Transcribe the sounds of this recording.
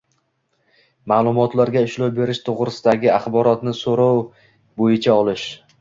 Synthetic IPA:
maːlˠʊmɒt̪laɾɡʲaɪʃlowbe̞ɾɪʃt̪ʰoʁɾɪsɪd̪aɡʲɪaχbɒɾɒt̪nɪsoɾɒw | bojɪt͡ʃʰaɒlɪʃ

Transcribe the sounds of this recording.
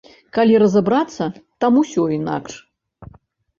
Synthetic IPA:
kalʲiɾɐzabɾat̪sːɐt̪amusʲɔina̰kʂ

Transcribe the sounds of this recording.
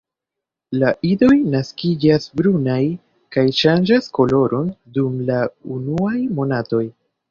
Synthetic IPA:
laʔido̞jnaskid͡ʒasbɾunaj | kajʃand͡ʒasko̞lo̞ɾo̞ndumlaunuajmo̞nato̞j

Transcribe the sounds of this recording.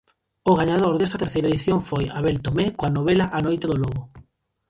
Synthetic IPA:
ʊɣaɲaðoɾðest̪ɐt̪eɾθejɾaeðiθjoŋfojaβelt̪omekoanoβelɐʔanojt̪eðoloɣʊ

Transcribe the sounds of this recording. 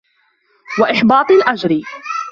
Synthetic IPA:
waʔɪħbɑːt̪ˤɪlʔad͡ʒɾɪ

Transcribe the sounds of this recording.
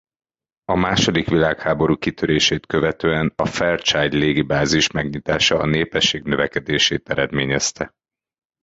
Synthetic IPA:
ɒmaːʃo̞d̪ikʋilaːkhaːbo̞ɾuːkit̪ʰøɾeːʃeːt̪køvɛt̪øːɛnɒfɛrt͡ʃaːɟleːɡibaːziʃmɛɡɲit̪aːʃɒːneːpɛʃːeːɡnø̞vɛkɛd̪eːʃeːt̪ɛɾɛd̪mḛːɲɛst̪ɛ

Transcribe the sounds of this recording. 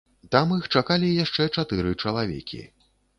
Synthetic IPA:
t̪amixt͡ʂakalʲijaʂt͡ʂɛt͡ʂat̪ɨɾɨt͡ʂɐlˠavʲɛ̰kʲḭ

